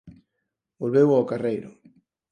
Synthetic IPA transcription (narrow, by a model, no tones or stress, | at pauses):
bolβewaokarejɾʊ̰